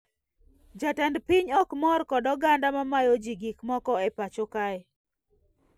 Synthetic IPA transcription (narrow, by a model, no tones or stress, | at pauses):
d͡ʒatandpiɲɔkmɔrkɔdɔɡandamamajod͡ʒiɡikmɔkɔɛpat͡ʃokaj